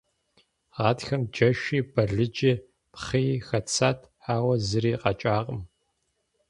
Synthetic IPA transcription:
ʁɑːtxɐmd͡ʒɐʃiːbɐɮɨd͡ʒʼɪ | pχiːxɐt͡sʰaːtʰħaːwɐzɨɾiːqɑt͡ʃʼaːqʼəm

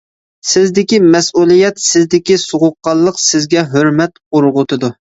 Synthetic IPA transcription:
sɪzd̪ɪkʲimɛsulˠijɛt̪sɪzd̪ɪkʲisoʁʊqːɑlˠːəqsɪzɡʲɛɦøɾmɛt̪uɾʁʊt̪ʰɨd̪u

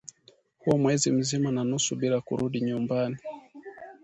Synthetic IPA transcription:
huwamwɛzim̩zimananusuɓilakṵɾuɗiɲumbani

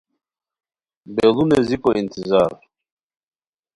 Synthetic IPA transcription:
beːlunezipoint̪izɑːɾ

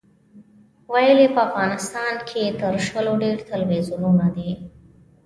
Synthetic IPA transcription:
wajəlepəafɣɑnɪst̪ɑnkʰet̪əɾʃəloɖeɾt̪alwezunonad̪e

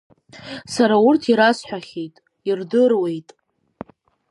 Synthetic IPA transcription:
saɾaʊrtʰiɾasħʷᶣaχʲe̞jtʼ | irdɨrwe̞jtʼ

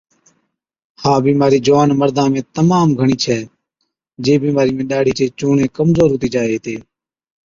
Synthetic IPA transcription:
haːbiːmaːɾiːd͡ʒʋaːnməɾd̪ãːmẽːt̪əmaːmɡʱəɳiːt͡ʃʰɛː | d͡ʒeːbiːmaːɾiːmɪ̃ɗaːɽ̤ʱiːt͡ʃeːt͡ʃuːɳẽːkəmzoːɾɦʊt̪iːd͡ʒaːeːɦt̪eː

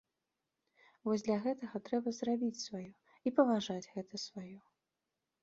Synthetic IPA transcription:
vɔzʲd̪lʲɐɣɛt̪ɐɣɐt̪ɾɛbɐzrabʲit͡sʲsvajɔ | ipɐvaʐad͡zʲɣɛt̪ɐsvajɔ

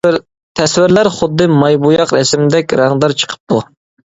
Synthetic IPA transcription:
t̪ʰɛswɪɾlæɾχʊd̪ːɨmɑjbujɑqɾɛsmɪd̪ɛkʲɾæŋd̪ɑɾt͡ʃʰə̥qʰə̥p̚t̪u

